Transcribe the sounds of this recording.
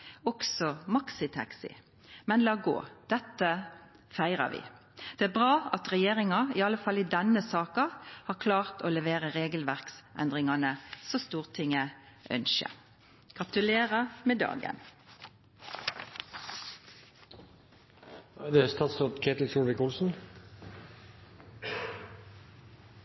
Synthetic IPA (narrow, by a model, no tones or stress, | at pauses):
ɔksɔmɑksɪt̪ʰɑ̰ksɪ̰ | mɛnlɑːɡo̰ːd̪̥ɛt̪ːə | fæɪʁɑ̰ʋɪ̰ | d̪̥ɛːæːbʁɑːɑt̪ʁɛjeːʁɪŋɑɪɑlːəfɑlɪd̪ɛnːəsɑːkɑhɑːkʰlɑːʁt̪oːlɛʋeːʁəʁeːɡəlʋæʁksʔɛ̰nd̪ʁɪŋɑnəsɔst̪uːʁt̪ʰɪŋːə | ʔœ̰nʃə̰ | ɡ̥ʁɑt̪ʉleːʁəmeːd̪ɑ̰ːɡə̰n | d̪ɛæst̪ɑːt̪sɑt̪kʰeɪt̪l̩t͡ʃuːlʋɪkʊlsn̩